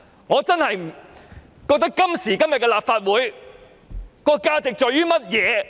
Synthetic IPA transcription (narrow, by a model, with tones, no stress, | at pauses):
ŋɔː˨˧t͡sɐ˥nhɐ˨j | kɔ˧k̚t̪ɐ˥kkɐ˥msiː˨˩kɐ˥mjɐ˨t̚kɛ˧laː˨p̚faː˧t̚wuː˨˥j | kɔː˧kaː˧t͡sɪ˨k̚t͡sɔː˨˧jɥyː˥mɐ˥t̚jɛː˨˧